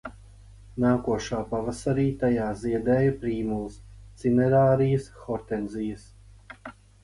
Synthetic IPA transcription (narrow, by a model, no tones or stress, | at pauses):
naːkuɔʃaːpavasaɾiːt̪ajaːziɛd̪ɛːjɐpɾiːmulˠst̪sinɛɾaːɾijəsxɔɾt̪ɛnzijəs